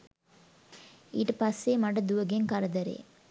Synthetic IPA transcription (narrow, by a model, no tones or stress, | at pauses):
iːʈɐpɐsːeːmɐʈɐd̪uʋɐɡeŋkɐɾɐd̪ɐɾḛː